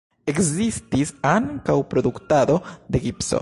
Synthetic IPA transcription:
e̞kzistisaŋkawpɾo̞d̪uktado̞de̞ɡipso̞̰

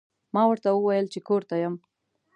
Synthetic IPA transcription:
mɑwəɾt̪awəwajəlt͡ʃekoɾt̪ajəm

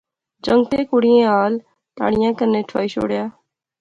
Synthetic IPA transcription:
d͡ʒəŋɡ̚t̪eːkʊɽiːẽːaːl | t̪a̰ːɽ̤ɪjãːkəɾneːʈʰa̰ːiːʃo̰ːɽjaː

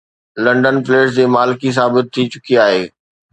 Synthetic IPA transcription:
lɐ̃ɳɖənfleːʈd͡ʑeːmaːlɪkis̬aːbɪt̪ʰːit͡ɕʊkiaːɦeː

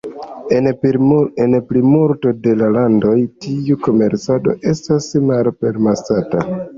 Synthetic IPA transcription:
e | enplimuɾto̞de̞lalando̞jtiuko̞me̞ɾt͡sado̞̰ʔe̞stasmalpe̞ɾmasata

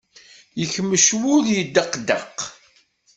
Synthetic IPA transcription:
jəçmːəʃwʊðjəd̪ːəqːd̪ə̰q

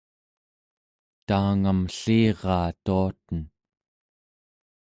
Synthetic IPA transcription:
t̪aːŋamɬiːʁɑːt̪uat̪ən

